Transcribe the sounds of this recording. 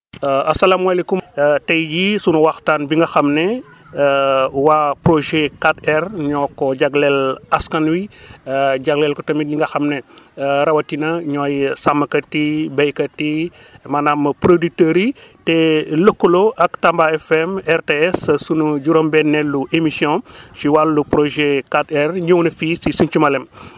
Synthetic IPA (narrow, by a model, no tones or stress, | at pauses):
ɐsɐlamwalekumtɛjjisunuwaxtaːnbiŋɡɐxɐmnɛ | wapɾoʒekatɛrɲɔkːɔɟaɡlɛlaskanwi | ɟaɡlɛlkɔtɐmiɲiŋɡɐxɐmnɛɾɐwɐtinɐɲɔjsamːɐkɐtibɐjkɐti | manamɐpɾoditeɾitelokːuloʔaktambaɛfɛmɛrteɛssunuɟuɾombɛnːɛlːuʔemisiɔ̃siwalːupɾoʒekatɛrɲownɐfiːsisunt͡ʃumɐlem